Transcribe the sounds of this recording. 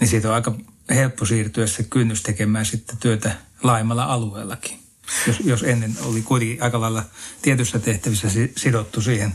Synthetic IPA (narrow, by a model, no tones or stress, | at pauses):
nisiːt̪oɑˑikɑhelpːosiːrt̪yæssekynːyst̪ekemæːsit̪ːet̪yøt̪ælɑimɑlːɑɑlueːlːˑɑki̥ | josjosenːeno̰likuit̪eŋkiʔɑˑikɑlɑilːɑt̪iet̪ysːæt̪eht̪æʋisːæsisidot̪ːusiːhen